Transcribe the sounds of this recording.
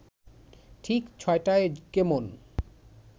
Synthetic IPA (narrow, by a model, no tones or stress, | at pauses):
ʈʰikt͡ɕʰɔeʈaekemon